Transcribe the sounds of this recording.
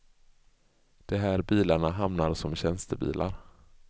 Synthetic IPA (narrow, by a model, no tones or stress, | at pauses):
d̪̥ɛɦæːɾbiːlaɳaɦamnaɾsɔmɕɛnst̪əbḭːlʔa̰ɾ